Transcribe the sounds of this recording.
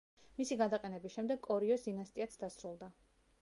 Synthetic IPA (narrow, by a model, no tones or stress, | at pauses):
misiɡad̪aqʼɛnɛbisʃɛmd̪ɛɡkʼɔɾiɔsd̪inast̪ʼiat̪sʰd̪asɾulˠd̪a